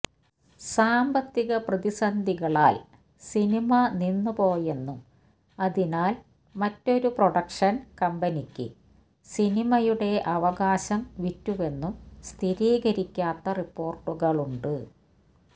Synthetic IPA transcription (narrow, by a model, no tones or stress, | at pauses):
saːmbɐt̪ːiɣɐprɐðisɐnd̪ʱiɣɐɭaːl | sinimɐninːɨpo̞ːje̞nːum | ɐðinaːl | mɐtːo̞ɾuproɽɐkʂɐnkɐmbɐnikʲːɨ̰ | sinimɐjuɽe̞ʔɐʋɐɣaːɕɐmʋitːuʋe̞nːumst̪ʰiɾiːɣɐɾikʲːaːt̪ːɐripːo̞ːrʈːuɣɐɭuɳɖɨ